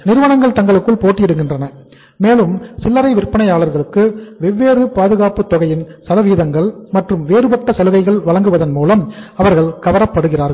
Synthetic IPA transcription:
nɪɾɯʋɐnɐŋɡɐɭt̪ɐŋɡɐɭɯkːɯɭpoːʈːɪjɛɽɯŋɡɪndrɐnɐ | meːlɯmsɪlːɐɾɐɪʋɪrpːɐɳɐɪjaːɭɐɾɣɐɭɯkːɯʋɛʋːeːɾɯpaːðɯɣaːpɯt̪ːɔɣɐjɪnsɐðɐʋiːðɐŋɡɐɭmɐʈrɯmʋeːɾɯpɐʈːɐsɐlɯɣɐɪɣɐɭʋɐlɐŋɡɯʋɐðɐnmuːlɐmɐʋɐɾɣɐɭkɐʋɐɾɐpːɐɽɯɣɪraːɾɣ

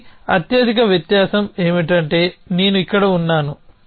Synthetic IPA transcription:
ɐ̰t̪jɐd̪ʱikɐʋjɐt̪jaːsɐme̞ːmiʈɐɳʈe̞ːne̞ːnuikːɐɽɐunːaːnu

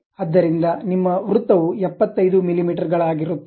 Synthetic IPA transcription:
ɐd̪ːɐɾind̪ɐnimːɐʋɾut̪ːɐʋuɛpːɐt̪ːɐjd̪umilimiːʈɐɾɡɐɭaːɡiɾut̪ː

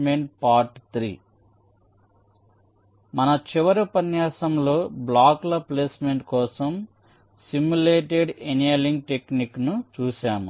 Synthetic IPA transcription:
meɳʈ̚paːɾʈt̪ɾḭː | mɐnɐt͡ʃiʋɐɾupɐnjaːsɐmlo̞ːblaːklɐpleːsmeɳʈkɔːsɐm | simjuleːʈeɖenieliŋɡ̚ʈekniknut͡ʃuːʃaːmu

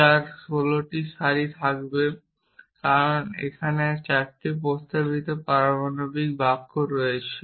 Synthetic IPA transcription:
aɾʃoloʈiʃaɾit̪ʰakbe | kaɾonḛkʰanet͡ɕɛk̚ʈip̬ost̪abit̪opaɾamanobik̚bakːoɾɔet͡ɕʰe

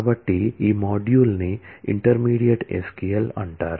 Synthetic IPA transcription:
ʋəʈːiimɔːɖjuːlniḭɳʈəɾmiːɽijəʈḛskejəlɐ̰ɳʈaɾ

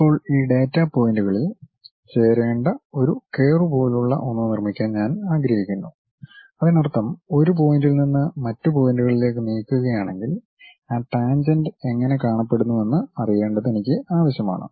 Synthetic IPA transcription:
ipːo̞ːɭiːɖe̞ːtːapo̞ːjinduɣɐɭil | t͡ɕe̞ːɾeːɳɖɐo̞ɾuke̞ːrup̬o̞ːjiluɭːɐ̰ʔonːunirmikʲːaːnɲaːnaːɡɾɐɦikʲːunːu | ɐðinɐrt̪ːɐmo̞ɾup̬o̞ːjindilninːɨmɐtːɨpo̞ːjnduɣɐɭile̞ːk̬ːɨniːkːuɣɐjaːɳe̞ŋɡil | aːʈaːnd͡ʑɐndɨe̞ŋːɐne̞kaːɳɐpːe̞ɽunːue̞nːɨɐrije̞ːɳɖɐðenikʲːɨaːʋɐɕjɐma̰ːɳɨ̰

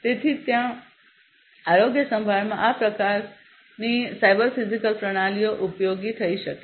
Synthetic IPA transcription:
t̪et̪ʰit̪jã | aɾoɡjəsə̃mbʱaɾmãʔapɾəkaɾ | nisajbəɾfizikəlpɾəɽ̃alijoʔupjoɡit̪ʰəiʃəke

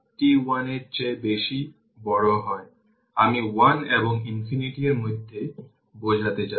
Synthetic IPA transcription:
ʈiwaneɾt͡ɕebeʃi | bɔɽoɦɔe | amiwaneboŋinfiniʈieɾmojd̪ʱːe | bod͡ʑʱat̪et͡ɕa

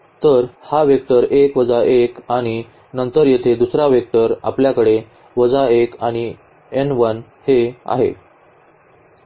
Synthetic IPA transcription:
t̪əɾhaʋjək̚t̪əɾekʋəd͡zaʔekaɽ̃i | nənt̪əɾjet̪ʰed̪usɾaʋjek̚t̪əɾa̰pljakəɽe | ʋəd͡zaekaɽ̃i | enʋənhea̰ɦḛ

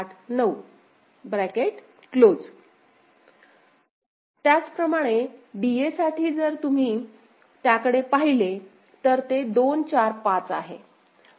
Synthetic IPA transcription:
aʈʰnəu | bɾɛkeʈ | klod͡z | t̪jat͡spɾəmaɽ̃eɖiesaʈʰiːd͡zəɾt̪um̤iː | t̪jakəɽepaɦile | t̪əɾt̪ed̪ont͡ɕaɾpat͡sa̰ɦḛ

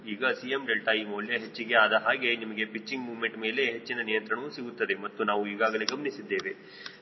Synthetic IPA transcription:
iːɡɐsijemɖelʈaiːmɐːljɐɦet͡ʃːiɡe̞ad̪ɐɦaːɡe̞nimɐɡe̞pit͡ʃːiŋɡmuːʋme̞ɳʈme̞ːle̞ɦet͡ʃːinɐnijɐnt̪ɾɐɳɐusiɡut̪ːɐd̪e̞mɐt̪ːunaːʋuiːɡaːɡɐle̞ɡɐmɐnisid̪ːe̞ːʋe̞

